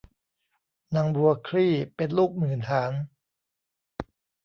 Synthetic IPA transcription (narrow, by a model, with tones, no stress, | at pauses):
na˧˥ŋbu˧ɐkʰɾiː˥˩pe˧nluː˥˩k̚mɯː˨˩nt̪ʰaː˩˦n